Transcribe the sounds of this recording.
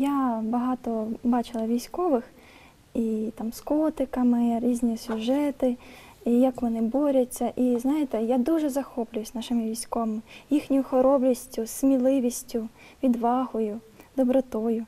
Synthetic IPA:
jabɐɦɑt̪ɔbɑt͡ʃɪlˠɐʋʲijsʲkɔʋɪx | it̪ɑmskɔt̪ɪkɐmɪɾʲizʲnʲisʲʊʒɛt̪ɪ | ijakʋɔnɪbɔɾʲɐt͡sʲːɐʔiznɑjet̪ɛjad̪uʒɛzɐxɔplʲʊjʊsʲnɑʃɪmɪʋʲijsʲkɔʋɐmɪjixnʲʊjʊxɔɾɔblʲisʲtʲʊsmʲilˠɪʋʲisʲtʲʊ | ʋʲid̪ʋɑɦʊjʊ | d̪̥ɔbɾɔt̪ɔjʊ

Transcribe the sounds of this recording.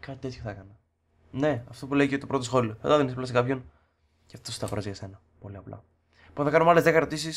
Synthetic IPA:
kɐt̪it̪et̪çoθɐekɐnɐ | ne̞ɐft̪o̞pule̞icet̪opɾot̪osxo̞lioθɐt̪ɐðenisɐplɐs̬kɐpço̞n | ceɐft̪ost̪ɐɣoɾɐzʝɐse̞nɐ | po̞liɐplɐ̰ | poθɐkɐnomɐlezðekɐɾo̞t̪isis

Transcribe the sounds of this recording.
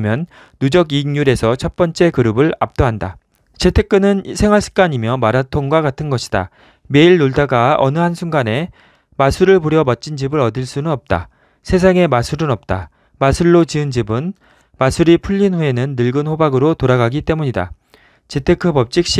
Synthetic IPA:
mjʌnː | ud͡ʑʌɡiːŋɲuɾe̞sʰʌt͡ɕʰʌt̚p͈ʌnt͡ɕ͈e̞kɯɾɯbɯɭa̰p̚t͈oɦanda̰ | t͡ɕe̞tʰe̞k͈ɯnɯnsʰe̞ŋɦwaɭs͈ʰɯ̥k͈aɲimjʌmaɾatʰoŋɡwaɡatʰɯnɡʌɕʰi̥d̥a̰ | me̞iɭnoɭdaɡaʌ̰nɯɦansʰuŋɡane̞ | masʰuɾɯɭpuɾjʌmʌt̚t͡ɕ͈ind͡ʑibɯɾʌdiɭs͈unɯnʌp̚t͈a̰ | sʰe̞sʰaŋe̞masʰuɾɯnʌp̚t͈a | masʰuɭːot͡ɕiɯnd͡ʑibɯn | masʰuɾipʰuʎːinɸue̞nɯnːɯɭɡɯnhobaɡɯɾotoɾaɡaɡit͈e̞muɲida̰ | t͡ɕe̞tʰe̞kʰɯpʌp̚t͡ɕ͈ik̚ɕ͈

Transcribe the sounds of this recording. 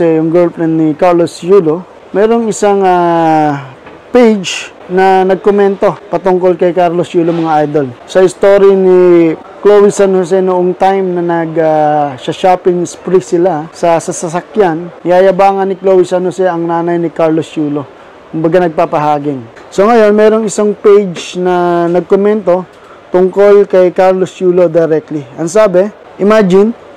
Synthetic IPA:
ɛjʊŋɡolplɛnːɪkaɹlosjuːlo | mɛːɾo̞ŋɪsaŋa | pejd͡ʒ | nɐnɐɡ̚komɛnt̪o̞pɐt̪ʊŋko̞lkɐjkaɾlosjuːlomɐŋaʔajd̪o̞lsɐɪst̪o̞ːɾini | klowisɐnosɛnʊʔoŋt̪ajmnɐnɐɡaʃɐʃaːpɪŋspɾisɪlasɐsɐsɐsɐkjanɪjaːjɐbaːŋɐnːɪkloːwɪsɐnosɛɐŋnaːnɐjnɪkaɹlost͡ʃuːlo̞ | kʊmbɐɡanɐɡ̚papɐɦaːɡɪŋ | so̞ŋɐjo̞nmɛːɾo̞ŋɪsaŋpejd͡ʒnɐnɐɡ̚komɛnt̪o̞ | t̪ʊŋko̞lkɐjkaɹlost͡ʃuːlo̞d̪ɐjɾɛk̚t̪liʔɐŋsaːbɛ | ʔɪmad͡ʒɪn

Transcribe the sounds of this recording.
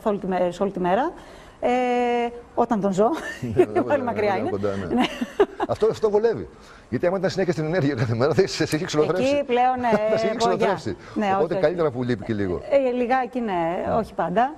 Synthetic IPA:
ɐθolit̪imesolit̪ime̞ɾɐ | e | o̞t̪ɐnt̪o̞nzo̞pɐlimɐkɾiɐinekod̪ɐnḛneɐft̪oft̪ovole̞vḭ | ʝɐt̪iɐmɐit̪ɐnsineçɐst̪ineneɾʝiɐkɐθemeɾɐðeesiçekseloθɾeispleo̞nesoʝɾɐɾesi | ne̞oopot̪eokɐlit̪eɾɐpulipiceliɣo̞̰eliɣɐecine̞o̞çi̥pɐnd̪ɐ

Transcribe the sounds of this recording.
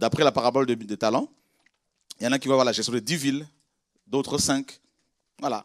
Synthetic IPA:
d̪apχɛlapaʁabɔld̪əd̪et̪alɑ̃ | jɑ̃nãkʲivwavwaʁlaʒɛst̪jɔ̃d̪ed̪ivil | d̪ot̪χəsɛ̃k | vwala̰

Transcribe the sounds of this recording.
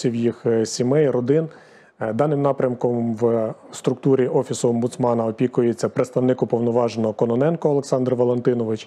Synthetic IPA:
iwjixsʲimɛjrɔd̪ɪn | d̪ɑnɪmnɑpɾʲɐmkɔmʋst̪ɾʊk̚t̪uɾʲiʔɔfʲisʊɔmbʊt̪smɑnɐɔpʲikʊjet͡sʲːɐpɾet̪st̪ɐʋnɪkʊpɔʋnɔʋɑʒenɔɦɔkɔnɔnɛnkɔɐlˠeksɑnd̪rʋɔlˠent̪ɪnɔʋɪt͡ʃ

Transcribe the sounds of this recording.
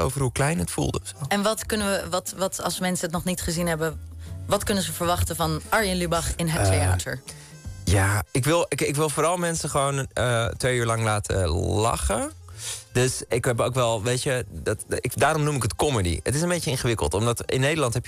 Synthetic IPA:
o̰wvərɦuklɛjnətfṵlˠdəɛnʋɑtkɵnəəʋɑtʋɑtɑ̰lˠsmɛnsəətnɔχnitχəzinɦɛbəʋɑtkɵnəzəvəɹʋɑχtəvɑnɑɹjənlybɑχɪnɦəteja̰ːtʰəɹ | jaːɪkʋɪlˠɪkɪkʋɪlˠfoːɾɑlˠmɛnsəχəʋownətʋejyːɹlɑŋlaːtʰə̰lɑ̰χə | døsɪkɦɛpowkʋɛlˠʋejtədɑtɪdaːɾɔmnumɪkətkɔmədḭə̰tɪsənbejt͡ʃəɪnχəʋɪkə̰lˠtɔmdɑtɪ̰nːejdəlɑntɦɛpj

